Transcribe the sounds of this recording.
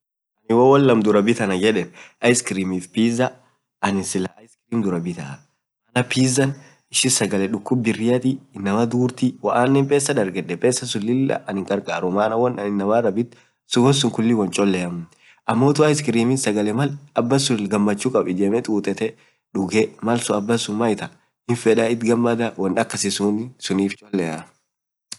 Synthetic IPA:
ʔɐnɪwɐwɐlːɐmd̪ʊɾɐbɪt̪ɐnɐd͡ʒɛᶑɛmʔɐjskɪɾiːmiːfpiːzɐ | ʔɐnɪsɪlɐʔɐjskɪɾiːmd̪ʊɾɐbɪt̪ɐ̰ | ʔɐnɐpiːzːɐn | ɪʃɪnsɐɡɐlɛᶑʊkːʊbɪrːɪjɐt̪ɪːnːɐmɐd̪uːɾt̪ɪwɐʔaːnːɛmpʼeːsːɐd̪ɐɾɡɛᶑɛpʼeːsːɐsʊlːɪlːɐ̰ʔɐnɪŋkʼɐɾkʼaːɾʊmaːnɐwɔnɐnɪnːɐmɐɾɐbɪt̪ː | sʊbɔsʊŋkʊlːɪwɐnt͡ʃʼɔlːɛjɐmʊ | ʔɐmːoːt̪ʊwaːɪskɪɾiːmɪnsɐɡɐlɛmɐlɐbːɐsʊɡɐmːɐt͡ʃːuːkʼɐbɪd͡ʒɛmɛt̪ʼuːt̪ʼɛt̪ɛ | ᶑʊɡɛmɐlsʊɐbːɐsʊmɐɪt̪ɐ | hɪnfɛᶑɐɪt̪ɡɐmːɐd̪ɐwɐnᶑɐkːɐsɪsunsʊniːft͡ʃʼɔlːɛjɐ̰

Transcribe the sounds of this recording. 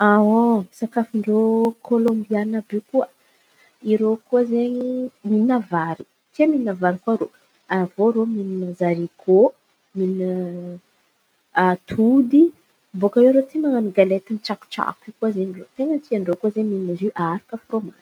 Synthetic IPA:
aɦosakafiɳɖ͡ʐokʰolombianəbikuə | iɾokuəzeɲiminavaɾi̥ | k̪eminavaɾikuaɾo | avoɾominəzaɾikʰo | minə | t̪ʰud̪i | mbokaweɾot̪imaŋaniɡalet̪iniʈ͡ʂaku̥ʈ͡ʂa̰kikuəzeɲirot̪eŋənt̪iaɳɖ͡ʐokuəzeɲminaziʔaɾikəfroma̰n

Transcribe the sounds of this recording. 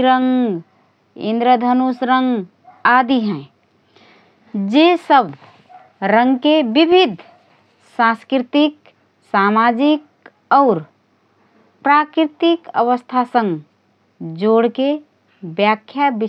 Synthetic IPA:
ɾəŋ | ḭ̃nd̪ɾəd̪ʱənusɾəŋɡ | ad̪iɦɛ̃ | d͡ʒesəbʱ | ɾə̃ŋɡkebibʱid̪ʱ | sãskɾit̪ik | samad͡ʒik̚ | ɔːɾ | pɾakɾit̪ikə̰ʋəst̪ʰasə̃ŋɡ | d͡ʒoɽke | bjakʰːjabi

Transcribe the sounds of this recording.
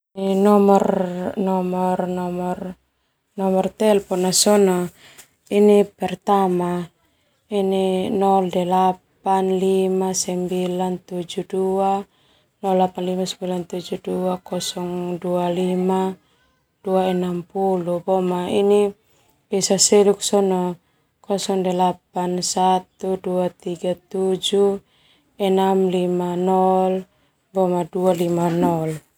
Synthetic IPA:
inɔmɔrnɔmɔrnɔmɔr | nɔmɔrt̪ɛlpɔnasɔnɔ | inipɛrt̪ama | ininɔldɛlapanlimasɛmbilant̪ud͡ʒudua | nɔlːapanlimasɛmbilant̪ud͡ʒuduakɔsɔŋdualima | d̥uaɛnampulubɔmaini | bɛsasɛluk̚sɔnɔ | kɔsɔŋdɛlap̚ansat̪uduat̪iɡat̪ud͡ʒu | ɛnamlimanɔl | bɔmadualimanɔl

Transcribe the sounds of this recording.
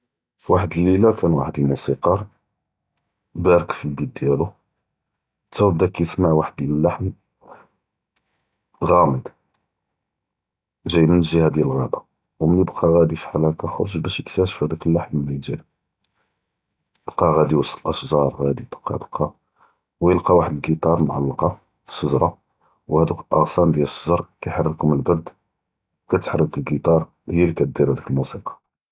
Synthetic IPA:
fiwaħəd̪əlːilækʰænwaħəd̪əlmusiqɑɾˤ | bæɾəkfibid̪̚d̪jælu | t̪ːæwbd̪ækæjəsmaʕwaħəd̪æləlːaħm | ɣæməd̪ | ʒæjmənəlʒihæd̪jælɣæba | wmənjəbqʰɑɣæd̪ifiħalækaxoɾˤʒbæʃjəksæʃfhæd̪ækəlːaħmlæjʒæ̰ | əbqɑɣæd̪iwəsˤt̪əlʔəʃʒɑɾˤɣæd̪it̪ə̥qːɑ̰d̪əqʰːɑ | wjəlqɑwaħəd̪əlɡit̪ˤɑɾˤmʕa̰lːɑqɑ | fə̥səʒɾˤɑ | whæd̪ukəlʔɑ̰ɣsɑnd̪jæləsˤːəʒɾˤkæjħɑrˤːəkʊməlbɑɾd̪ | wkæt̪ħɾˤːəkəlɡit̪ˤɑɾˤ | ɣjælikæt̪̚d̪iɾhæd̪ukəlmusiqɑ̥

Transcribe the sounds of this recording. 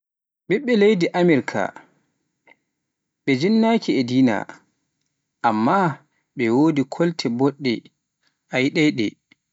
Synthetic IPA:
ɓɛɓːɛlejdiʔamɛɾkʰa̰ | ɓɛd͡ʒinːaːkiɛdiːna̰ | ʔamːa | ɓɛwoːdikʰoltʰɛbɔɗːɛ | ʔajɗɛɗɛ̰

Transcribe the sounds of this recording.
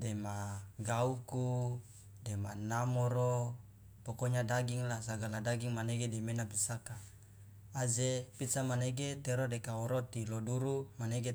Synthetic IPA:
demaɡauku | demanamoɾo | pokoɲadaɡiŋlasaɡaladaɡiŋmaneɡedemenapisaka | ad͡ʒepisamaneɡet̪eɾodekaoɾot̪iloduɾumaneɡe

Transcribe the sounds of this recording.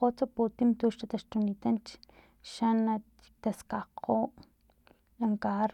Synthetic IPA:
ot͡soput̪imt̪uːʃɾat̪aʃt̪unit̪ant͡ʃ | ʃanḁ | t̪askaqʰoːʔ | laŋkaɾ

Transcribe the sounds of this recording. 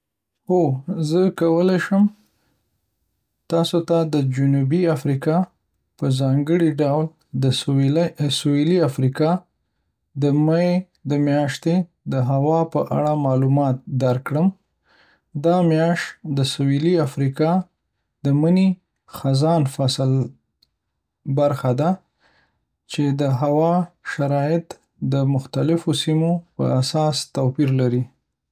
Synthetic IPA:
ozəkawəlajʃəm | t̪ɑsot̪ad̪əd͡ʒʊnubiafɾikɑ | pəzɑŋɡəɽiɖawl | d̪ə | soeliafɾikɑ | d̪əmaje | d̪əmjɑʃt̪e | d̪əɦawɑpəʔa̰ɽamɑlumɑt̪̚d̪aɾkɽəm | d̪ɑmjɑʃt̪d̪əsawiliafɾikɑ | d̪əməni | xazɑnfasl | baɾxad̪a | t͡ʃed̪əɦawɑʃaɾɑjɪt̪ | d̪əmʊxt̪alɪfosimopə̰asɑst̪apiɾlaɾi

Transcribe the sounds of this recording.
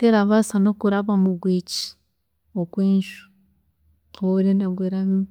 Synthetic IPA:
teɾaβasanokuɾaβamuɡwici̥ | okweːɲʃu̥ | oɾenaɡweɾaβi

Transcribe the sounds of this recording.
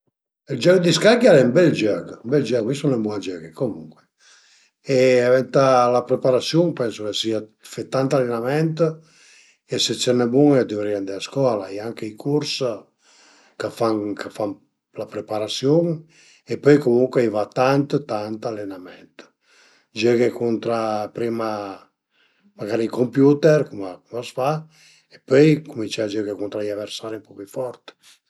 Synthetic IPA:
ild͡ʒœɡd̪iskaɡjaɾɛmbɛld͡ʒœɡbɛld͡ʒɛɡmisonebwɔad͡ʒɛːɡekomuŋkwe | eavɛnt̪alapɾepaɾasjuŋpɛnsokesiafet̪ant̪alːenamɛnt̪ | eset͡ʃɛnebuŋɛd̪ivɾiand̪easkwɔːlaɛaŋkeikʰuɾs | kafaŋkʰafam | lapɾepaɾasjoŋ | epøjkomuŋkweajvat̪ant̪t̪ant̪alːenamɛnt̪ | d͡ʒøɡekunt̪ɾapɾima | maɡaɾiikompjut̪ɛɾkumakumasfa | epøjkumint͡ʃaad͡ʒɛɡekunt̪ɾajaveɾsaɾimpɔpifɔɾt̪

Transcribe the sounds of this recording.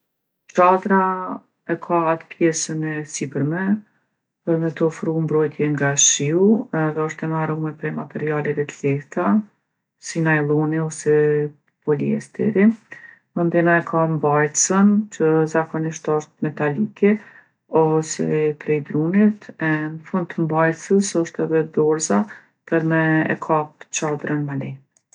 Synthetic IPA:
t͡ʃad̪ɾa | ɛkʰaat̪pjɛsənɛsibəɾmɛ | pəɾmɛt̪ɔfɾumbɾɔjt̪ʰjɛŋɡaʃiuɛðɛɔʃt̪ɛmaɾumɛpɾɛjmat̪ɛɾialɛvɛt̪lɛht̪a | sinajlˠuniɔsɛ | pɔliɛ̰st̪ɛ̰ɾi | mənd̪ɛnaɛkʰambajt̪sənt͡ʃəzakɔniʃt̪ɔʃt̪̚mɛt̪alikɛ | ɔsɛ̰pɾɛjd̪ɾunit̪ɛnəfund̪̚t̪əmbajt̪səsɔʃt̪ɛðɛd̪ɔɾza | pəɾmɛɛ̰kʰap̚t͡ʃad̪ɾənmalɛ

